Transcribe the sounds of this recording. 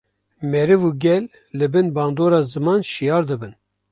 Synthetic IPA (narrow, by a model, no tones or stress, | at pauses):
mɛɾɨvuɡʲɛlː | ɨbɨnbɑːnd̪oːɾɑːzɨmɑːnʃijɑːɾd̪ɨbɨn